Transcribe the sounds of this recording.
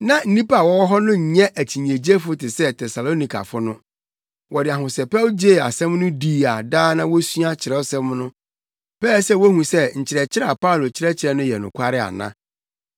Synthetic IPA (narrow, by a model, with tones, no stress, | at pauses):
nã˨n̩˦nĩ˦pa˨wɔ˦ɔ˦ɦɔ˦nʊ̃˦ɲ̩˨ɲɛ̃˦ʔæ˨tʰi˨ɲ˨ẽ˨d͡ʑe˦fʊ˦tɪ˨sɛ˦tʰɛ˨sa˨lo˦nĩ˨kʰa̰˨fʊ˦nʊ̃˦ | wɔ˨dɪ˨a˨ɦʊ̃˨sɛ˨pɛ˦wd͡ʑe˦˨a̰˨sɛ̃˦mnʊ̃˦di˦a˨daː˦nã˦wo˦su˦a˦t͡ɕʰɪ˨ɾɛ˦sɛ̃˦mnʊ̃˦ | pɛː˦˨sɛ˦wo˦hũ˨sɛ˦ɲ̩˨t͡ɕʰɪ˨ɾɛ˨t͡ɕʰɪ˦ɾa˨pa˦ʊ˨lo˨t͡ɕʰɪ˦ɾɛ˦t͡ɕʰɪ˨ɾɛ˦nʊ̃˦jɛ˨nʊ̰̃˨kʰʷa˦ɾɪ˦a̰˨nã̰˦